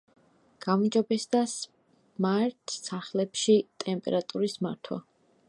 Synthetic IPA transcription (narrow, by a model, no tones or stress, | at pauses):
ɡ̥ammd͡ʒɔbɛsd̪as | maɾt̪ʰsaχlɛpʃit̪ʼɛmpʼɛ̰ɾat̪ʼuɾismaɾt̪ʰwa̰